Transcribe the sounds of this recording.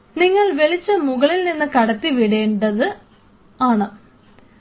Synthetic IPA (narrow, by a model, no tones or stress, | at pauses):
niŋːɐɭʋeɭit͡ɕːɨmuɣɐɭilninːɨkɐɽɐt̪ːiʋiɽe̞ːɳɖɐðɨ | aːɳɨ